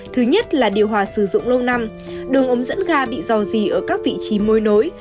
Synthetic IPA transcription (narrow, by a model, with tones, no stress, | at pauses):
t̪ʰɨ˨˦ɲə˦˥t̚laː˨˩ɗi˨˩əwɦwaː˨˩sɨ˧˩zʊ̰˧˨ŋ͡mlə˧wna˧m | ɗɨ˨˩əŋʔə˨˦ŋ͡mzə̰˧˥nɣaː˧ɓḭ˧˨zɔ˨˩zi˨˩ʔəː˧˩kaː˦˥k̚vḭ˧˨t͡ɕi˨˦mo˧jno˨˦j